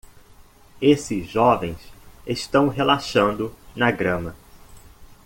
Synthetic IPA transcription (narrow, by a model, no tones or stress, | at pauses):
esɪzʒɔvẽj̃seʃt̪ɐ̃w̃ɦelaʃɐ̃nd̪ʊnɐɡɾɐ̃mɐ